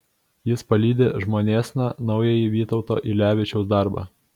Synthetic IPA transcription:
jɪspɐlʲiːd̪ʲeʒmoːnʲeːsʲnʲɑnɒʊjɛjiʋʲiːt̪ɒʊt̪o̰ːʔilʲæːʋʲɪt͡ʃʲɛʊsd̪ɑˑɾbɑ̰ː

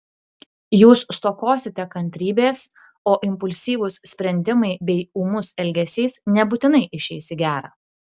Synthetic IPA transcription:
juːsst̪oːkoːsʲɪt̪ʲɛkɐnʲt̪ʲɾʲiːbʲeːs | oːʔɪmpʊlʲsʲiːʋʊssʲpʲɾʲɛnʲd̪ʲɪmɐɪbʲɛɪuːmʊsɛlʲɡʲɛsʲɛːsnʲɛbʊt̪ʲɪnɐɪʔɪʃʲɛɪsʲɪɡʲæːɾɑː

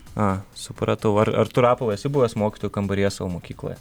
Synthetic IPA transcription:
ɑːsʊpɾɐt̪ɐʊɐɾɐ̰ɾt̪ʊɾɑːpɐlˠɐjɛsʲɪbuʋʲɐsmoːkʲi̥t̪oːjʊkɐmbɐɾʲiɛsɑːʋomoːkʲiːklˠo̰jɛ

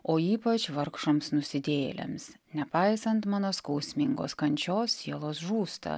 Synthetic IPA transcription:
oːiːpɐt͡ʃʋɐɾkʃoːmsnʊsʲɪd̪ʲḛːlʲɛ̰ms | nʲɛpɐɪsɐnt̪mɑːnoːskɐʊsʲmʲɪŋɡo̰ːskɐnʲt͡ʃʲoːsːʲiɛlˠoːsʒuːst̪ɐ̰

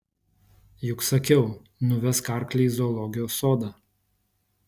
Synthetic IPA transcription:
jʊksɐkʲɛʊ | nʊʋʲɛskɑˑɾklʲɛːzoːlˠɔɡʲɪjoːsoːd̪ɑː

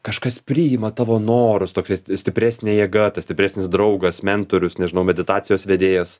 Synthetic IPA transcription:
kɐʃkɐspʲɾʲiːjɪmɐt̪ɑːʋoːnoːɾʊst̪oːksʲɛsʲt̪ʲɪpʲɾʲæːsʲnʲeːjɛːɡɐt̪ɐsʲt̪ʲɪpʲɾʲæːsʲnʲɪsd̪ɾɐʊɡɐsmʲɛnt̪oːɾʲʊsnʲɛʒʲɪnɐʊmʲɛd̪ʲɪt̪ɑːtt͡sʲɪjoːsʋʲɛd̪ʲeːjɛs

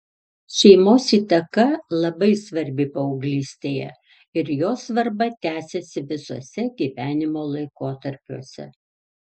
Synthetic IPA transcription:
ʃʲɛɪmoːsiːt̪ɐkɐlˠɐbɐɪsʋɐɾʲbʲɪpɐɔʊɡlʲiːsʲt̪ʲeːjɛ̰ | ɪɾjoːsʋɐɾbɐt̪ʲæːsʲɛsʲɪʋʲɪsuɔːsʲɛɡʲiːʋʲæːnʲɪmoːlˠɐɪkoːt̪ɐɾʲpʲuɔsʲɛ̰

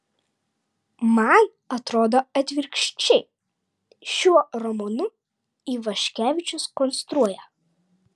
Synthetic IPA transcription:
mɑn | ɐt̪ɾoːd̪oːɐt̪ʲʋʲɪɾʲkʃʲt͡ʃʲɛɪ | ʃʲuɔɾɔmɔnʊ | iːʋɐʃʲkʲæːʋʲɪt͡ʃʲʊskɔnst̪ɾuɔjɛ

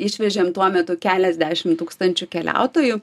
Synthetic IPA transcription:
ɪʃʲʋʲɛʒʲeːmt̪uɔmʲɛt̪ʊkʲæːlʲɛzʲd̪ʲæːʃʲɪmt̪uːkst̪ɐnʲt͡ʃʲʊkʲɛlʲæ̰ˑʊt̪oːjʊ

